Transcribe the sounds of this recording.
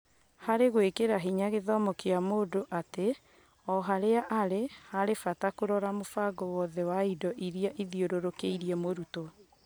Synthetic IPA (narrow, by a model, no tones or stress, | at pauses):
haɾeɣwekeɾaɦiɲaɣeðɔmɔkeamodoʔate | ɔɦaɾeaʔaɾehaɾefatakoɾɔɾamofaɡɔwɔðɛwaidɔʔiɾiaʔiðioɾoɾokeiɾiɛmoɾuto